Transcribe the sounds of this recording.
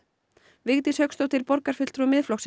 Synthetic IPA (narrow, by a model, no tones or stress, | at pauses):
vɪɣt̪ɪshœɥkst̪ɔwht̪ɪɾpɔɾkaɾ̥fʏ̥t̪ɾumɪðflɔxsɪ